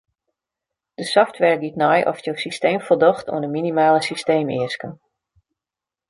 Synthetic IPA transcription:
d̥əsɔftʋɛr̚ɡitnɔjʔɔ̰fjəwsisteːmfɔlˠdɔxtʰṵənəminimaːləsisteːmɪ̰əskən

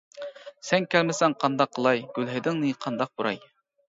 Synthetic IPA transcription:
sɛnkʲʰælmɪsɛŋqʰɑnd̪ɑqʰːəlˠɑjɡ̥ʲylɦɪd̪ɪŋnɨqʰɑnd̪ɑq̚b̥uɾɑ̰j

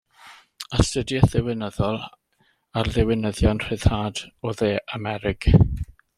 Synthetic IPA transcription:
əstədjɛθɪwɪnəðɔlˠ | arðɪwɪnəðjɔnr̥ɪð̥haːdɔðeːʔamɛɾɪkʰ

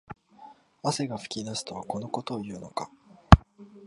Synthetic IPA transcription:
ase̞ɡaɸɯ̟̥kʲid̪asɨ̥t̪o̞βako̞no̞ko̞t̪o̞ːjɯ̟ːno̞̰ka

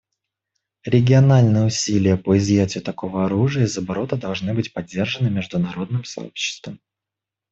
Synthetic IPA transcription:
ɾʲɪɡʲɪɐnalʲnɨjəʊsʲilʲɪjəpoɪzjætʲɪjʊt̪ɐko̞vəɐɾuʐɨjəɪzəbɐɾo̞t̪əd̪ɐlˠʐnɨbɨtʲpɐdʲːe̞rʐənɨmʲɪʐd̪ʊnɐɾo̞d̪nɨmsɐ̰o̞̰pɕːɪ̥st̪vəm

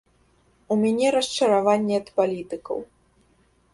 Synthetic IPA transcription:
umʲanʲɛɾɐst͡ʂɐɾavanʲːɛɐt̪palʲit̪ɨkɐ̰w

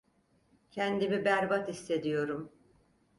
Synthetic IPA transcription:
cʰɛnd̪imibæɾbat̪isːe̞d̪ijo̞ɾum

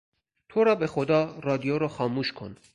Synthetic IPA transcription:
t̪ʰɔɾɑbɛχɔd̪ɑrɑd̪ijɔɾɔχɑmuʃkʰɔ̰n

